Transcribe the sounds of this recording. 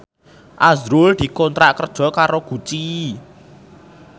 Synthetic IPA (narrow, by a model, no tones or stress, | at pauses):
ʔazɾʊld̪̥i̤kɔnt̪ɾaʔkərd̥ʒ̥ɔ̤kaɾoɡ̥ṳt͡ʃi